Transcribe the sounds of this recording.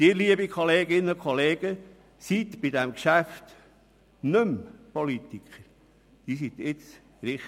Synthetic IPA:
d̪̥ɪːɾliəbikʰoleːɡɪnəʊkχoleːɡ̥ə | sit̪bɪdɛmkʃæft̪ | nømpɔlit̪ikχəɾ | d̥iːs̬it̪ɪt͡s | ɾɪχ

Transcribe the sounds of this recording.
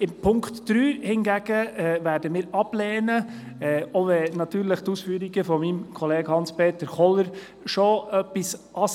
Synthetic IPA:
ɪmpʰʊŋktd̥ɾyːhɪnɡæɡ̥əɛvæːɾdəmɪːɾɑb̥lɛːnə | ɛoʋɛnɑtyːɾləχtuːsfyːɾiɡəfɔmimkʰɔleːɡ̥hɑnspeːt̪əɾχɔləɾ | ʃoœpːisʔɑ

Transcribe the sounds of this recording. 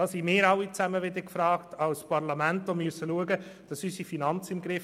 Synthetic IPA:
d̥ɑːsimɪːɾɑwit͡sæməʋɪd̪əkfɾɑːktʰɑʊspɑɾlɑmæntomysəluəɡəd̥ɑsysifinɑnt͡sɪmɡɾɪf

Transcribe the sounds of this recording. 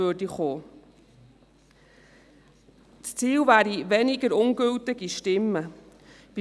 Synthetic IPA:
ødiχoː | t͡st͡siːlvæːɾiʋɛnɪɡəɾʊŋɡɵltɪɡiʃtɪmːə | b̥i

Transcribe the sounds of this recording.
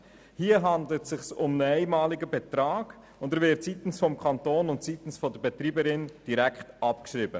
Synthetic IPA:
hiəɦɑndlətsɪχsʊmnəɛɪmɑːlɪɡəbet̪ɾɑːɡ̥ | ʊndɛɾvɪtsitən̩sfɔmkʰɑntoːnʊntsitən̩sfɔdəbet̪ɾiːbəɾɪnd̥iɾækχtʔɑpkʃɾiːbə

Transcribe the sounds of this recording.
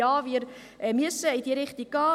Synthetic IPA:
ɑːviəɾ | miəsəədiɾɪχtikɑː

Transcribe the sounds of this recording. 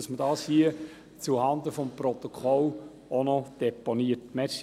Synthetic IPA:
ɑsmədɑːshiə | t͡suhɑnd̪əfɔmprɔt̪ɔkʰɔl | onɔd̥ɛponiətmɛs

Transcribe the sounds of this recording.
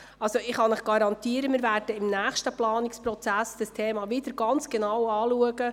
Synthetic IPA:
ɑlsoɪχɑnɪχɡ̥ɑɾɑnt̪iːəɾəmɪːɾvæːɾd̥əɪmnæːχʃtəplɑːnɪkspɾɔt͡sæsd̥əstʰeːmɑvɪd̥əɾɡ̥ɑnt͡sɡ̥enɑwɑːluəɡə

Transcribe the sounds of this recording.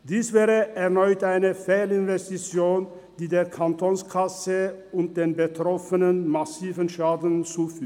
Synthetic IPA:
d̥iːsv̥ɛːʁəʔɛɐnɔʏtaɪnəfɛːlɪnvɛstit͡sjoːn | d̥iːdeːɐkʰantʰoːnskʰasəʊnt̚d̥eːnbətʁ̥ɔfənənmasiːvənʃaːdn̩t͡suːfyː

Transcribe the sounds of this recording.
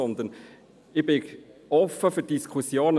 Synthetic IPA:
ɔnd̪ən | ɪb̥ɪkɔfːəfyd̥iskʰusjoːnə

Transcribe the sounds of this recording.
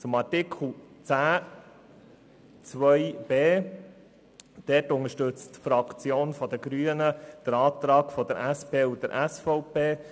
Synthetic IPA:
t͡sʊmɑɾtɪkʰl̩ˠt͡sæː | t͡sʋœjb̥eː | d̥ɛtʊŋəʃtɵt͡stfɾɑkt͡sjoːnfɔd̪əɡɾyːənəd̪̥əɾɑːt̪ɾɑːɡfɔd̪əɾʔæspʰeːud̪əɾʔæsfɔʊpeː

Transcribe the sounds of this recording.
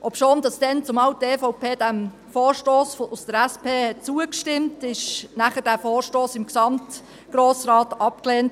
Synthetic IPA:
ʔɔpʃoːnd̥ɑsd̥ɛnt͡sʊmɑwtefɔʊpʰeːdæm | foːʃtoːsfoʔʊsd̥əɾæspʰeːhɛt̚t͡suəkʃtɪmtɪʃnæχəd̥æːfoːrʃtoːsɪmksɑmt | ɡ̥ɾoːsɾɑːtɑpkleːnt

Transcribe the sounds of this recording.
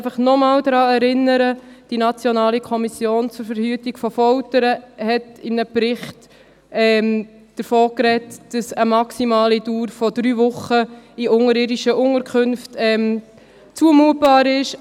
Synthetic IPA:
fəχnɔmɑːld̪ɾɑːɛɾɪnːəɾəd̥inɑt͡sjɔnɑːlikʰɔmisjoːnt͡sʊɾfəɾhyːtiɡ̥fɔfɔltəɾəhɛtɪmnəprɪχt | ɛːm | d̥əɾfoːkɾɛtd̥ɑsəmɑksimɑːlid̥uːɾfɔd̥ɾyːvʊχəiʔʊŋəɾɪːdiʃəʔʊŋəɾkʰχɵnftɛːm | t͡suəmuət̚b̥ɑːɾɪʃ

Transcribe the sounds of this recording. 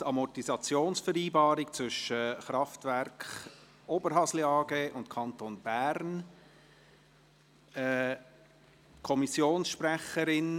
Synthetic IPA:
ɑmɔtisɑt͡sjoːnsfəɾiːbɑːɾɪkt͡svʏʃəχɾɑftvæɾkχ | ʔobəɾɦɑsliɑːɡeːʔʊntkʰɑntoːnb̥æɾn | ɛ | kʰɔmisjoːnsʃpræχəɾɪn

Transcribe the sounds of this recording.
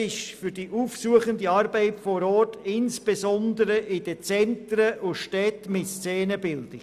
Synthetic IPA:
ɪʃfʏyɾdiʔuːfsuəχəndiɑrbɛɪtfɔɾɔːtɪnsb̥esɔndəɾəʔɪd̥ət͡sɛntɾəʔʊʃtɛtmɪtst͡sɛːnəbɪldɪ

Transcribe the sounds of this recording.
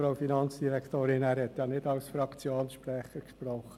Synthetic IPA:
ɾaʊfinɑnt͡sd̥iɾɛkʰtoːɾɪnæːɾhɛt̪jɑnɪdɑlsfɾɑkt͡sjoːnsʃpɾɛχəɾkʃpɾɔχːə

